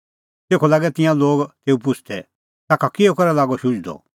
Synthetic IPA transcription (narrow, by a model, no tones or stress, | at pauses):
t̪eːkʰɔlaːɡɛt̪ɪ̃jãloːɡt̪eːupʊt͡ʃʰd̪ɛ | t̪aːkʰakiokɐɾɛlaːɡɔʃʊ̃d͡ʒd̪ɔ̰